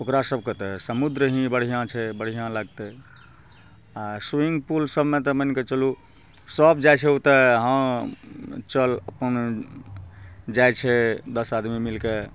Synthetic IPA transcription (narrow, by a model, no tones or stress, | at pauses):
okɾasəb̚ʱket̪ɔsəmud̪ɾəɦĩbəɽ̤ijãt͡ʃʰɛbəɽ̤ijãlaɡt̪e | asuiŋɡpulsəbmẽt̪ɔmənket͡ʃəlu | səbd͡ʒajt͡ʃʰɛut̪əɦə̃ | t͡ʃələ̰pən | d͡ʒajt͡ʃʰɛd̪əsad̪mimilke